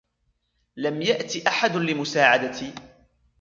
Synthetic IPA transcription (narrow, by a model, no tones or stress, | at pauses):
lamjaʔt̪ɪʔaħad̪ʊlɪmʊsaːʕad̪at̪iː